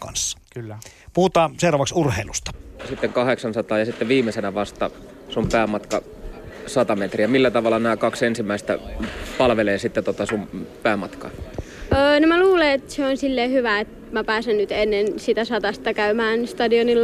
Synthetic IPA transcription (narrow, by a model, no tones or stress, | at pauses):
kɑ̰nsːɑ̥klːpuhut̪ɑːseurɑʋɑksurheilust̪ɑ̥sit̪ːeŋkɑheksɑnsɑt̪ɑːjɑsit̪ːeʋiːmːesenæʋɑst̪ɑ | sumpæːmɑt̪kɑ | sɑt̪ɑmet̪riæmilːæt̪ɑʋɑlːˑɑnæːkɑksensimːæist̪æ̰pɑlʋeleːsit̪ːet̪ot̪ɑsumpæːmɑt̪kɑ̰ː | əːnomæluːleet̪seonsilːeːhyʋæet̪ | mæpæːsennyt̪enːensit̪æsɑt̪ɑst̪ɑkæymæːnst̪ɑdionilː